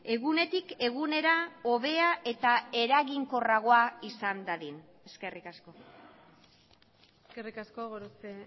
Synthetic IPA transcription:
e̞ɣune̞t̪ike̞ɣune̞ɾao̞βe̞aʔe̞t̪ae̞ɾaɣiŋko̞raɣ̞o̞aisand̪aðin | e̞ske̞rikasko̞ | eskerikaskoɣoɾot͡se

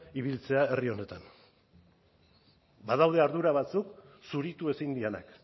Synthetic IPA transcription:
iβ̞ilt͡se̞ae̞rio̞ne̞t̪an | bað̞awð̞e̞aɾðuɾaβ̞at͡suksuɾit̪ue̞sind̪iena̰k

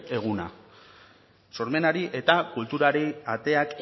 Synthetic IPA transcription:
e̞ɣ̞una̰ | so̞ɾme̞naɾiʔe̞t̪akult̪uɾaɾiat̪e̞ak

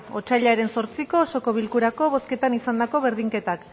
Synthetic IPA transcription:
o̞t͡ʃaʎaɾe̞nso̞ɾt͡siko̞so̞ko̞β̞ilkuɾako̞βo̞ske̞t̪anisand̪ako̞βeɾðiŋke̞t̪ak

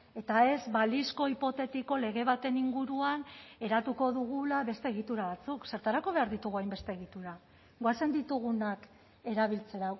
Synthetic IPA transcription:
e̞t̪ae̞zβalisko̞ipo̞t̪e̞t̪iko̞le̞ɣ̞e̞βat̪e̞niŋɡuɾuane̞ɾat̪uko̞ðuɣulaβe̞st̪eːɣ̞it̪uɾaβat͡sukse̞ɾt̪aɾako̞βe̞aɾðit̪uɣuajmbe̞st̪e̞ːɣit̪uɾa | ɣoase̞nd̪it̪uɣ̞unak | e̞ɾaβ̞ilt͡se̞ɾa

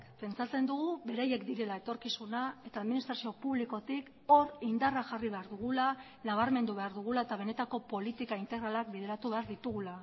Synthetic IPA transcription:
kpe̞nt͡sat͡se̞nd̪uɣuβe̞ɾajekd̪iɾe̞lae̞t̪o̞ɾkisunae̞t̪aːðminist̪ɾasio̞puβliko̞t̪ik | o̞ɾind̪araʝariβe̞aɾðuɣ̞ula | naβ̞aɾme̞nd̪uβ̞e̞aɾðuɣ̞ulae̞t̪aβ̞e̞ne̞t̪ako̞po̞lit̪ikaint̪e̞ɣɾalak̚bið̞e̞ɾat̪uβe̞aɾðit̪uɣ̞ula

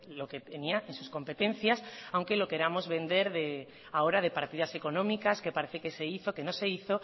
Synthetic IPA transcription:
lo̞ket̪eniaʔensusko̞mpe̞t̪ẽ̞n̟θjasawŋke̞lo̞ke̞ɾamo̞zβẽ̞nd̪e̞ɾðe | ao̞ɾað̞e̞paɾt̪iðase̞ko̞nõ̞mikaske̞paɾe̞θeke̞se̞iθo̞ke̞no̞se̞iθo̞

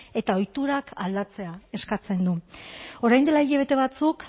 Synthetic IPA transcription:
e̞t̪ao̞jt̪uɾakʰald̪at͡se̞ae̞skat͡se̞nd̪uo̞ɾajnd̪e̞laiʎaβ̞e̞t̪e̞βat͡suk

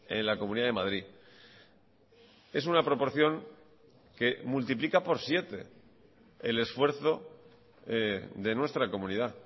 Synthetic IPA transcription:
e̞̰nlakomũniðaðemað̞ɾi | e̞sunapɾo̞po̞ɾθjo̞ŋ | ke̞mult̪iplikapo̞ɾsje̞t̪e̞̰ | ele̞sfwe̞ɾθo̞ | d̪e̞nwe̞st̪ɾako̞mũnið̞a

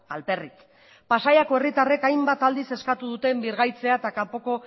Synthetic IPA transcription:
alpe̞rit̪ | pasajako̞e̞rit̪are̞kajmbat̪ald̪ise̞skat̪uðut̪e̞mbiɾɣajt͡se̞aet̪akampo̞ko̞

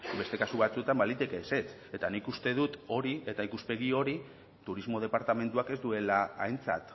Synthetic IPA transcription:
be̞st̪e̞kasuβat͡sue̞t̪ambalit̪ekeːse̞t͡s | e̞t̪anikust̪e̞ð̞ut̪o̞ɾie̞t̪aikuspe̞ɣ̞io̞ɾi | t̪uɾizmo̞ð̞e̞paɾt̪ame̞nt̪uake̞zd̪ue̞laːjnt͡sa̰t̪

